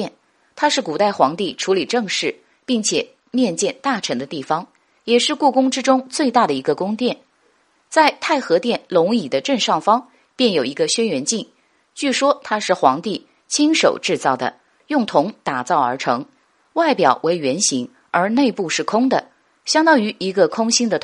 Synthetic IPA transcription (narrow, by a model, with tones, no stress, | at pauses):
ɛ˥˩n | t̪ʰa˥ʂɻ̩˥˩ku˨˩t̪a˥˩ɪxwɑ˧˥ŋt̪i˥˩ʈ͡ʂʰu˧˥li˨˩ʈ͡ʂɤ˥˧ŋʂɻ̩˥˩ | pi˥˩ŋt͡ɕʰjɛ˨˩ | mjɛ˥˧nt͡ɕjɛ˥˧nt̪a˥˩ʈ͡ʂʰɤ˧˥ŋd̪ə˧t̪i˥˩fɑ˥ŋ | jɛ˨˩ʂɻ̩˥˧ku˥˩kʊ˥ŋʈ͡ʂɻ̩˥ʈ͡ʂʊ˥ŋt͡swe˥˧ɪt̪a˥˩d̪ə˩i˧˥ɡə˧kʊ˥ŋt̪jɛ˥˩n | t͡sa˥˧ɪt̪ʰa˥˩ɪxɤ˧˥t̪jɛ˥˩nlʊ˧˥ŋi˨˩d̪ə˦ʈ͡ʂə˥˧nʂɑ˥˩ŋfɑ˥ŋ | pjɛ˥˩njo˨˩ʊi˧˥ɡə˧ɕɥɛ˥nɥɛ˧˥nt͡ɕi˥˧ŋ | t͡ɕy˥˩ʂwɔ˥t̪ʰa˥ʂɻ̩˥˩xwɑ˧˥ŋt̪i˥˩ | t͡ɕʰi˥ŋʂo˨˩ʊʈ͡ʂɻ̩˥˧t͡sɑ˥˩ʊd̪ə̰˩ | jʊ˥˩ŋt̪ʰʊ˧˥ŋt̪a˨˩t͡sɑ˥˩ʊə˞˧˥ʈ͡ʂʰɤ˧˥ŋ | wa˥˩ɪpjɑ˨˩ʊwʔe˧˥ɪɥɛ˧˥nɕi˧˥ŋ | ə˞˧˥ne˥˧ɪpu˥˧ʂɻ̩˥˩kʰʊ˥ŋd̪ə˨ | ɕjɑ˥ŋt̪ɑ˥ŋy˧˥ʔi˧˥ɡə˧kʰʊ˥ŋɕi˥nd̪ə˨